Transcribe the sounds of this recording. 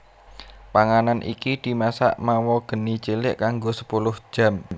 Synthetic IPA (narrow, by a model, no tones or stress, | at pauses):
paŋananʔḭkid̪̥i̤masa̰ʔmawɔɡ̥ə̤nit͡ʃilɪʔkaŋɡosə̥pulʊhd̥ʒ̥ä̤m